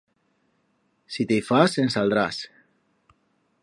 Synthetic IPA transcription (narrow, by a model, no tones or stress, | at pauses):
sit̪ejfasensald̪ɾas